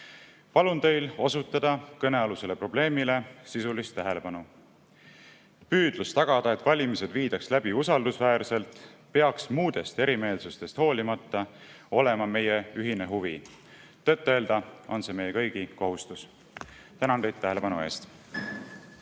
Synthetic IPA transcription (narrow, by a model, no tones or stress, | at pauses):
pɑlunt̪e̞jlo̞sut̪ːˑɑd̪̥ɑkɤne̞ɑluse̞le̞pro̞b̥le̞ːmile̞sisulist̪ːæɦe̞lepɑnu | pyːd̪̥lust̪ɑɡ̥ɑd̪̥ɑe̞t̪ːvɑlʲimise̞d̪viːd̪̥ɑkslæb̥iusɑld̪usvæːrse̞lt̪ˑpeɑksmuːd̪̥e̞st̪e̞ɾime̞ːlsust̪e̞st̪ho̞ːlʲimɑt̪ːɑ | o̞le̞mɑme̞jeyɦine̞ɦuvi | t̪et̪ˑːe̞ːld̪̥ɑo̞nse̞me̞jekɤjɡ̥iko̞ɦust̪us | t̪ænɑnd̪ejd̪æɦe̞le̞pɑnue̞̰ːst̪